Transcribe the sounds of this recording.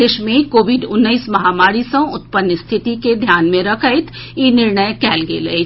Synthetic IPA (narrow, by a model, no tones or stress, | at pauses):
eʃmẽkoːʋɪɖʊnːəismɐɦaːmaːɾisɐ̃ʊt̪pənːəst̪ʰɪt̪iked̪ʱjaːnmẽɾɐkʰəɪt̪ʰ | inɪɾɳəjkɛːlɡḛle